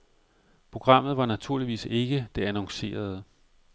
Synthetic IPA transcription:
pʰʁo̝ɡ̥ʁɑ̈m̰ð̩ˠʋɑ̈næt͡sʰuɐ̰liʋḭːse̝ɡ̥əd̥e̝ænɒ̽ŋse̝̰ːɐð̞̩ˠ

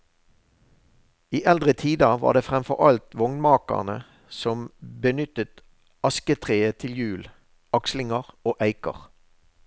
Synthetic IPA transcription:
iːʔɛld̪ʁət̪ʰiːd̪əʋɑ̰ːd̪eːfʁɛmfɔ̰ʁɑlt̪ʋɔŋnmɑːkə̰ʁnə | sɔmbənʏt̪ət̪ | ɑskət̪ʰʁeːət̪ʰɪljʉːl | ɑkslɪŋəʁoːʔæɪkə̰ʁ

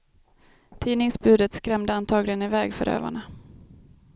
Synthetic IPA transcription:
t̪ʰiːnɪŋsbʉ̟ːd̪ət̪skɾɛmd̪əant̪ʰɑːɡlɪənɪvɛːɡfœ̰ɾʔø̰ːva̰ɳa

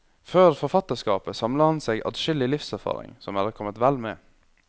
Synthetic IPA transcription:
føːɾfɔɾfɑt̪əskɑːpəsɑmləhɑnseːɡɑ̰d̪ʃʏlɪlɪfsæɾfɑ̰ːɾɪ̰ŋsɔmæd̪əkʰɔmːət̪ʋælmḛː

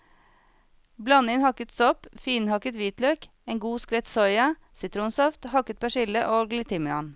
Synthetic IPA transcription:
blɑnɪŋhɑkət̪sɔpfiːnhɑkət̪ʋiːt̪løːk | eːŋɡuːskʋɛːt̪sɔʏɑ | sɪt̪ʰɾuːnsɔft̪hɑkət̪̚pʰɑʃɪləʔoːɡlɪt̪ʰɪmʏɑ̰n

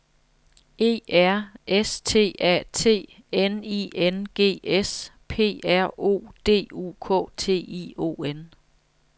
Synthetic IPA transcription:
e̝̰ːæɐ̰est͡sʰe̝̰ːɛ̰t͡sʰe̝̰ːenienɡ̥e̝̰ːespʰe̝̰ːæɐ̰o̝̰ːd̥e̝̰ːṵːkʰɔ̰̽ːt͡sʰe̝̰ːio̝̰en

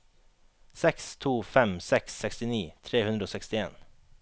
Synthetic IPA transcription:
sɛkst̪ʰuːfɛmsɛksːɛkst̪ɪniːt̪ʰɾeːhʉnd̪ɾəoːsɛkst̪ɪḛːn

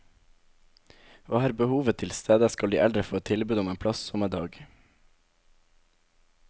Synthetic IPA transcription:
ʋɑːhæːɾbəhuːʋət̪ʰɪlst̪ʰeːd̪əskɑld̪ḭːʔɛld̪ɾəfɔɾot̪ʰɪlbʉːd̪ʊmeːnpʰlɑssɔməd̪ɑːɡ

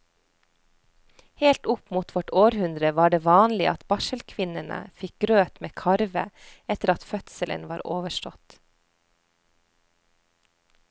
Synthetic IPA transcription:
heːlt̪ʊpmuːt̪ʋɔʈoːɾhʉnd̪ɾəʋɑːɖeːʋɑːnlɪʔɑt̪bɑʃəlkʰʋɪnənə̰fɪk̚ɡɾøːt̪meːkʰɑɾʋəɛt̪əɾɑt̪fœt̪səlʔə̰nʋɑːɾʔoːʋəʃʈɔt̪

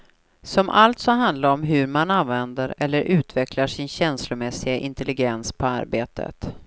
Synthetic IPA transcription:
sɔmʔalt̪sɔɦand̪laɾɔmɦɵɾmananvɛnd̪əɾɛlːəɾʔʉ̟ːt̪ʰvɛklaʂɪnɕɛnslʊmɛsɪɡaʔɪnt̪ʰɛlɪɡɛnspʰɔa̰ɾbeːt̪ʰə̰t̪

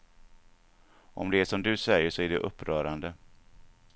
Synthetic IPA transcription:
ʔɔ̰md̪ɛæʂɔmd̪ɵsɛjəʂɔæɖɛʔɵpːɾœːɾand̪ə

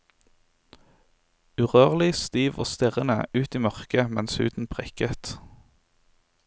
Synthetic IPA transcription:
ʉʁøːʁlɪst̪iːʋo̰ːst̪ɪʁənə̰ʉːt̪iːmœʁkəmɛnshʉ̰ːt̪n̩pʰʁɛkət̪

